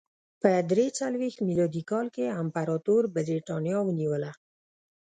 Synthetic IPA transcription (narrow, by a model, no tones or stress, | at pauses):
pəd̪ɾet͡salwext̪milɑd̪ikɑlkeampaɾɑt̪oɾbəɾiʈɑnjɑwəniwəla